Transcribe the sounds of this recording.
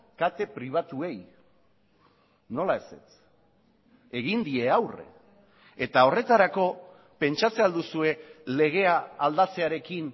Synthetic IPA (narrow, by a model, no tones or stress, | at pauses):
kat̪e̞pɾiβ̞at̪ue̞j | no̞lae̞se̞̰t͡s | e̞ɣind̪ie̞awre̞̰ | et̪ao̞re̞t̪aɾako̞ | pe̞nt͡ʃat͡se̞ald̪usue̞le̞ɣ̞e̞aːld̪at͡se̞aɾe̞kin